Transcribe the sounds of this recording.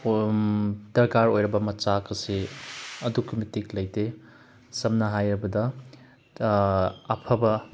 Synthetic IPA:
d̥ɐɾkaɾojɾɐbɐmɐt͡ʃakɐseɐdukʰumitiklɐjte | sɐmnɐɦajɾɐbɐdɐ | pʰɐbɐ

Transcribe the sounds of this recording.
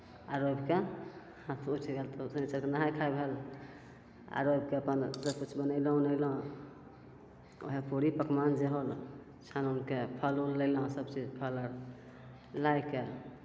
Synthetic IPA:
aɾobke | hat̪ʰut͡ʃʰɡelt̪osənit͡ʃəɾkenaɦajkʰajbʱel | a̰ɾobkeəpənsəbkut͡ʃʰbənəɪləɦũnəɪlõ | o̰ɦepuɽipəkmand͡ʒeɦol | t͡ʃʰanunkepʰəlulːəlõsəbt͡ʃid͡ʒpʰələɾ | lajke

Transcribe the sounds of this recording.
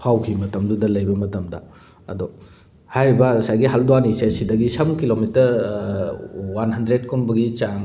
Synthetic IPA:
pʰawkʰimɐtɐmdudɐlɐjbɐmɐtɐmdɐ̰ | ɐ̰dɔ | hajɾibɐsajɡiɦalduanisesidɐɡisɐmkilomitɐɾ | wanɦɐndɾed̚kɔnbɐɡit͡ʃaŋ

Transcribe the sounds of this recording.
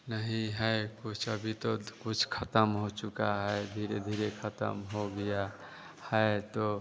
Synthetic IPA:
nəɦĩɦɛkʊt͡ʃʰəbʱit̪okʊt͡ʃʰkʰət̪əmɦot͡ʃʊkaɦɛed̪ʱiːɾed̪ʱiːɾekʰət̪ə̰mɦoɡəja | hɛet̪o

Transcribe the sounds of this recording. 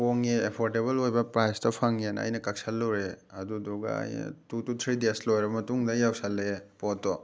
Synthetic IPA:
oŋeepʰoɾteβɐlojbɐpɾajstɐpʰaŋenɐ̰jnɐkɐk̚salːɔwɾeɐdudɔɡɐ̰ɐ̰jnɐ̰tutut̪ʰɾideslojɾɐbɐmɐtuŋdɐjawsalepɔtːɔ

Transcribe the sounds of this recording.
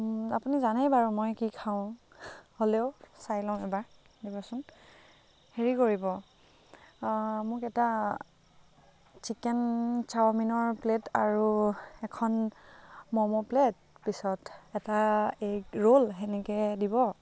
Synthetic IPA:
apunizanɛjbaɹumojkikʰaʊ̃ | holeʊsajlɔ̃w̃ɛbaɹ | dibɔsʊn | heɹikoɹibɔ | mʊkɛta | t͡ʃikɛnt͡ʃawaminɔɹpletaɹuɛkʰɔn | mɔmɔplet̚ | pisɔtɛtaejɹolɦɛnɛkɛdibɔ

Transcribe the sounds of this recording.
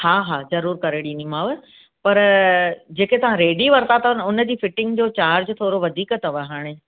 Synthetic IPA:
haːɦaːzɐɾuːɾkɐɾeɽĩnimãːʋe | pɐɾ | d͡ʑeːket̪ɐʋ̤ãɾeːɖiʋɐɾt̪at̪ʰɐnʊnə̆d͡ʑiːfɪʈɪ̃ŋɡd͡ʑoːt͡ɕaːɾd͡ʑt̪ʰoːɾoʋɐd̪ʱiːkət̪ɐʋɐɦaːɽ̃e

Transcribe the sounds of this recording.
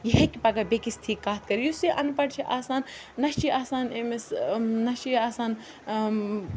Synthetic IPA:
jiɦekʲipɐɡabekist̪ʰiːkːaːt̪̚kɐɾijusiʔɐ̰npɐʈt͡ʃʰiʔaːsaːnː | ɐʃt͡ʃiʔaːsaːnemesnɐʃiaːsaːn

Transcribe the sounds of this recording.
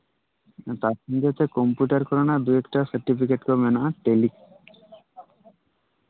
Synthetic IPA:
t̪aɾʃɔŋɡet̪ʰekɔmpjuʈaɾkɔɾɔnad̪uekʈasɐɾʈipʰikeʈkomenaʔaʈelik

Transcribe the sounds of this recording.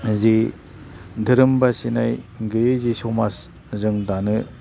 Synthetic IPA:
zi | dɯɾɯmbasinajɡɯezisomas | zɯŋdanɯ

